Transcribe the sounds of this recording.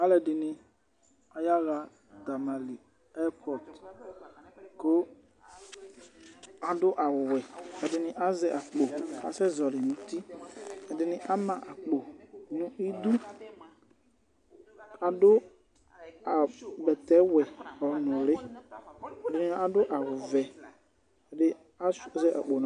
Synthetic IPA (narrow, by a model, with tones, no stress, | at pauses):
a˨˦lɛ˨ɖɪ˨nɪ̃˨ | a˨ja˦ɣa˦ | d̪a˨ma˨li˨ | ɛ˦pɔ˨t | ko˦ | a˨ɖʊ˦ʔa˨wɛ˨ɛ˨ɖɪ˨nɪ̃˨ʔa˦zɛ˨ʔa˨k͡po˨a̰˨sɛ˦zɔ˨lɪ˨nũ˨t̪i˦ɛ˨dɪ˨nɪ̃˦ʔa˦mã˨ʔa˨k͡po˨nũ˦i˦d̪u˦ | a˨dʊ˦ | a˨bɛ˨t̪ɛ˦wɛ˨ɔ˨nʊ̃˨lɪ˦ | ɛ˨dɪ˨nɪ̃˦a˨dʊ˦ʔa˨wʊ˨vɛ˨ | ɛ˨dɪ˦ | a˦zɛ˦ʔa̰˨k͡po˨ñ˨˦